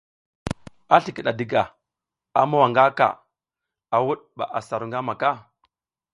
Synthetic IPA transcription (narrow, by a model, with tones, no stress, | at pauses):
a˦ɬi˨ki˨ɗa˨di˦ɡa˨ | a˨ma˦wa˨ŋɡa˦ka̰˨ | a˨wu˦ɗɓa̰˨ʔa˨sa˨ɾu˨ŋɡa˦ma˨ka˦